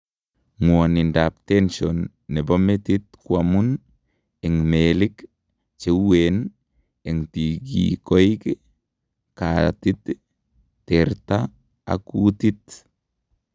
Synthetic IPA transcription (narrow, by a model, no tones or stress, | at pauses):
ŋwɔnɪndap̚tɛnʃɔnː | ɛbɔmet̪it̪kwamun | ɛŋmelɪk | t͡ʃewen | ɛŋtiɡḭkɔjk | katɪt̪ː | ɛɾta | a̰kut̪it̪